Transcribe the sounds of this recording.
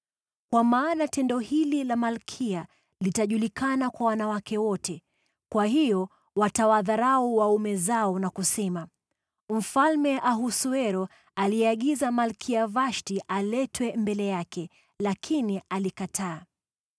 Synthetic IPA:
kwamaːnatɛndɔhililamalkʰia | litaʄulikanakwawanawakɛwɔtɛ | kwaɦijɔ | watawaðaɾauwaumɛzaɔnakusɛma | m̩falmɛʔaɦusuɛɾɔ | aliɛaɠizamalkʰiavaʃtiʔalɛtwɛmbɛlɛjakɛ | lakʰinialikatʰaː

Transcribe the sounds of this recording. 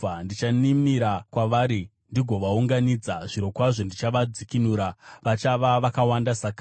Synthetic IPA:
ndit͡ʃanimiɾakwaʋaːɾi | ndiɡʱo̞ʋauŋɡanid͡zaʐiɾo̞kwaʐo̞ndit͡ʃaʋad͡zikinuːɾaʋat͡ʃaʋaʋakawandasaka

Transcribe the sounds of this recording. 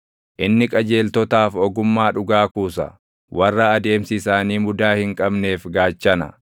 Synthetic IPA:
ʔɪnːɪkʼɐd͡ʒe̞ːlt̪ɔt̪aːfɔɡʊmːaːᶑʊɡaːkuːsɐ̰ | wʔɐrːɐːd̪e̞ːmsɪsaːniːmʊd̪aːhɪŋkʼɐbne̞ːfɡaːt͡ʃːɐnɐ̰

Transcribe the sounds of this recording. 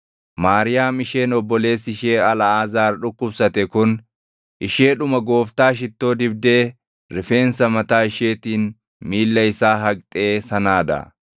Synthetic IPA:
maːɾɪjaːmɪʃe̞ːnɔbːɔle̞ːsɪʃe̞ːɐlɐaːzaːɾᶑʊkːʊbsɐt̪ɛkʊn | ʔɪʃe̞ːᶑʊmɐɡo̞ːft̪aːʃ̬ɪt̪ːo̞ːd̪ɪbd̪e̞ː | ɾɪfe̞ːnsɐmɐt̪aːɪʃe̞ːt̪iːn | miːlːɐjsaːɦɐɡt̪ʼe̞ːsɐnaːd̪ɐ̰

